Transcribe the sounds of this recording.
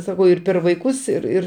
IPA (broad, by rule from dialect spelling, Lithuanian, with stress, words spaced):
sɐˈkɐʊ ɪr pʲɛr ʋɐɪˈkʊs ɪr ˈɪr